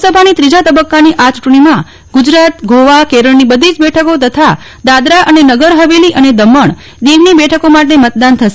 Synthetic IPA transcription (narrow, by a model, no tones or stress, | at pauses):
səbʱanit̪ɾid͡ʒat̪əbəkːaniʔat͡ʃuʈɳ̃imã | ɡʊd͡ʒɾat̪ɡʱoʋakeɾəɭnibəd̪ʱid͡ʒbɛʈʰəkot̪ət̪ʰa | d̪ad̪ɾaʔənenəɡəɾɦəʋeliʔəned̪əməɳ | d̪iʋnibɛʈʰəkomaʈemət̪̚d̪ant̪ʰəʃe